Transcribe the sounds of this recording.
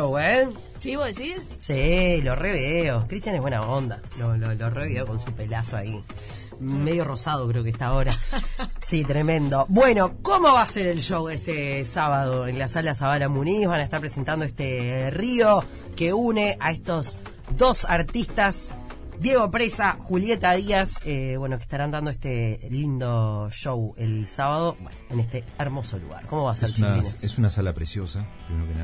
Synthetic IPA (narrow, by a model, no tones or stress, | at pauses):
owe | siβoðesis | siloreβiðeokɾit̪janeβwenaond̪a | lololoreβiðeoko̞nsupe̞lasoa̰i | meðjo̞ro̞sað̞okɾeo̞kest̪aoɾasit̪ɾemẽnd̪o̞bwe̞no̞komo̞βaseɾe̞lʃowðeht̪esaβaðoenlasalasaβalamuniβanaest̪aɾpɾesent̪and̪oest̪erio̞ | ke̞une̞ʔaest̪o̞z | ðo̞saɾt̪ist̪as | d̪je̞ɣo̞pɾesaxulje̞t̪aðiaseβwe̞noke̥ht̪aɾand̪and̪oest̪elind̪oʃowelsaβaðo̞bwḛnoenest̪eeɾmo̞solṵɣa̰ɾkomo̞βaseɾsnsesunasalapɾesjosakeunoken